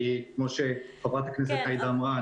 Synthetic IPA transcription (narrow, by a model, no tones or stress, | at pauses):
ikmoʃeχabʁat̪aknes̬et̪ajd̪aːmʁa